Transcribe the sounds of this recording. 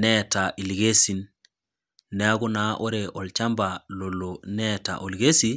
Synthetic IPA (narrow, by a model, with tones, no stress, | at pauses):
nɛta˨ʔi˨lɡe˦si˨nː | e˨a˦ɡu˦na˨ʔo˦ɾe˨ʔɔ˨lt͡ʃa˦mba˨lo˨lonɛ˦ta̰˨ʔo˨lɡe˦si˦